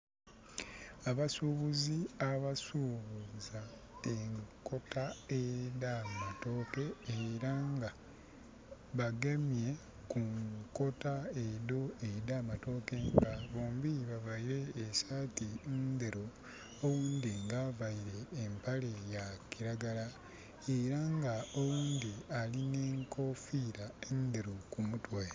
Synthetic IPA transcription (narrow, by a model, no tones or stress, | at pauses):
aβasuβuziaβasuβuza | eŋko̞taedamato̞ke̞ːɾaŋɡa | βaɡemje̞ | kuŋko̞taedoedamato̞ke̞ŋɡaβoːmbiβavaiɾe̞ːsatind̪eɾo | owuːnd̪iŋɡaːvaiɾe̞ːmpale̞jakiɾaɡala | eɾaŋɡaowuːnd̪ialine̞ːŋko̞fiɾaend̪eɾokumutwe